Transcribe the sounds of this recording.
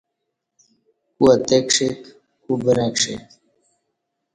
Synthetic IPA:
kuɐt̪ekʂek | kubəɾakʂḛk

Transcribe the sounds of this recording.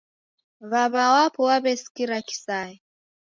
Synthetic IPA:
βaβawapʰɔwaβɛsi̥kiɾaki̥sajɛ

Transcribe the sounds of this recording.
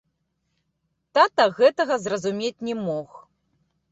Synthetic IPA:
t̪at̪ɐɣɛt̪ɐɣɐzrɐzumʲet͡sʲnʲɛmɔx

